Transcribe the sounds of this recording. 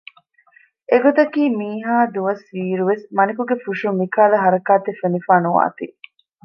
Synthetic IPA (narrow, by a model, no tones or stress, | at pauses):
eɡot̪ɐkiːmiːɦaːd̪uʋɐsʋiːɾuʋesmɐnikuɡefuʂumikaːlɐɦɐɾɐkaːt̪efenifaːnuʋa̰ːt̪i